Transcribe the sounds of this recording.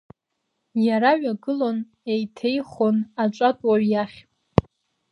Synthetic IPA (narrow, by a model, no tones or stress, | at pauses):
jaɾaɥaɡɨlo̞n | ejtʰe̞jχo̞nat͡ʃʷʼatʼwaɥjaχʲʼ